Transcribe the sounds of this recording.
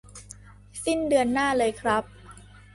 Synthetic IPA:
si˥˩ndɯ˧ənːaː˥˩lɤː˧jkʰɾa˦˥p̚

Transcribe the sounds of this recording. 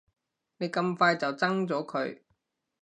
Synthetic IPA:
ne˨˧jkɐ˧mfaː˧jt͡sɐ˨wt͡sɐ˥ŋt͡sɔː˨˥kʰɵ˨˧ɥ

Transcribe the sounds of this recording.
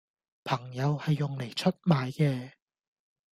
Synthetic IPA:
pʰɐ˨˩ŋjɐ˨˧whɐ˨jːʊ˨ŋle˨˩jt͡ʃʰɵ˥t̚maː˨˧jkɛː˧

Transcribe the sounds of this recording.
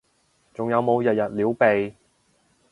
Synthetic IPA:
t͡sʊ˨ŋjɐ˨˧wmo˨˧wjɐ˨t̚jɐ˨t̚liː˨˥wpe˨j

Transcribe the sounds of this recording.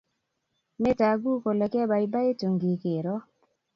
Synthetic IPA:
me˦ta˨ɡu˦ko˨le˨kɛ˦ba˨i˦ba˦e˦to˨ŋɡi˨ke˨ɾɔ˦

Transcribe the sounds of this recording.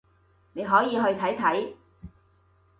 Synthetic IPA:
ne˨˧jɦɔː˨˥jiː˨˧ɦɵ˧ɥt̪ʰɐ˨˥jt̪ʰɐ˨˥j

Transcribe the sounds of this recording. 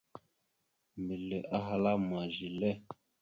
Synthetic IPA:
mi˨le˨ʔa˦ɦa˦la˦mwa˨ʒi˨lɛ˦˨

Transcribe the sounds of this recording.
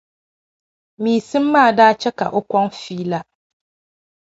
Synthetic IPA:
miː˨sɨ˦mː˦aː˦˨daː˦t͡ʃɛ˦ka̰˨ʔo˦kʷɔ˦ŋfiː˦la˦

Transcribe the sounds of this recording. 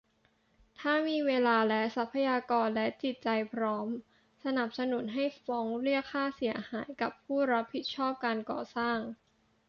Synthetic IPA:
t̪ʰaː˥˩miː˧weː˧laː˧lɛ˦˥sa˦˥pʰːa˧jaː˧kɔː˧nlɛ˦˥t͡ɕi˨˩t̪̚t͡ɕa˧jpʰɾɔː˦˥m | sa˧na˨˩p̚sa˧nu˩˦nɦa˥˩jfɔː˦˥ŋɾɯ˥˩əkʰːaː˥˩si˩˦ɐhaː˩˦jka˨˩pʰːuː˥˩ɾa˦˥pʰːi˨˩t̪̚t͡ɕʰɔː˥˩p̚kaː˧nkɔ̰ː˨˩saː˥˩ŋ

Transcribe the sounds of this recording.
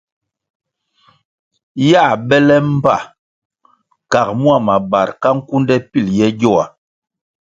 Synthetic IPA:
ja˦˨bɛ˦lɛ˦m̩˦pa̰˦˨ | ka˨kmu˦a˦˨ma˨ba˨ɾka˦ŋ̩˦ku˦ndɛ˦pi˦˨ljɛ˦ɟɔ˦˨a˨

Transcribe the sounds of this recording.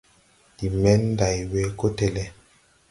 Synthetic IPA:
di˨mɛ˦n˦da˨i˨wɛ˦ko˦tɛ˨lɛ˦

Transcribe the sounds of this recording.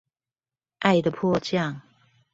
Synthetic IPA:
ʔa˥˩ɪd̪ə˨pʰɔ˥˧t͡ɕjɑ˥˨ŋ

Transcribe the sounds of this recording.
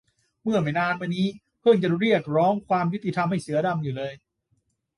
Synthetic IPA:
mɯ˥˩ɐma˨˩jnaː˧nma˧nːiː˦˥ | pʰɤ˥˩ŋt͡ɕa˨˩ɾi˥˩ək̚ɾɔː˦˥ŋkʰwaː˧mju˦˥t̪ːi˧t̪ʰa˧mha˥˩jsɯ˩˦ɐda˧mjuː˨˩lɤː˧j

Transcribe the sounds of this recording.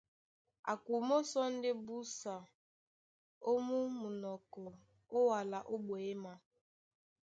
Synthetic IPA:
a̰˨kʷu˨mo˦sɔ˦n̩˦dɪ˦bu˦sa˨ | o˦mu˦mu˨nɔ˨kɔ˨ | ʊ˦wa˨la˨ʔo˦ɡ͡bo˨e˦ma˦

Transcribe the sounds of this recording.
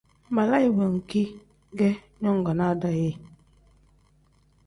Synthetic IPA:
ma˨la˦i˨bə˨ŋ̩˨ki˦ | ɡɛ˦ | ɲɔ˦ŋ˨ɡa˨na˦˨da˦je˦˨

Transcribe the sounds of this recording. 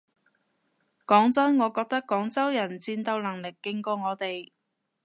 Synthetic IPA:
kɔː˨˥ŋt͡sɐ˥nŋɔː˨˧kɔː˧k̚t̪ɐ˥kːɔː˨˥ŋt͡sɐ˥wjɐ˨˩nt͡siː˧nt̪ɐ˧wlɐ˨˩ŋlɪ˨˩kːɪ˧ŋkɔː˧ŋɔː˨˧t̪e˨j

